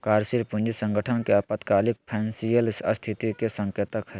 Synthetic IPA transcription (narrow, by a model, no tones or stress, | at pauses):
kaːɾsilpʊ̃nd͡ʒisə̃ŋɡəʈʰənkeɐpət̪kaːlɪk̚pʰɛːnsijəlsəst̪ʰit̪ikesə̃ŋkjət̪əkɦɛː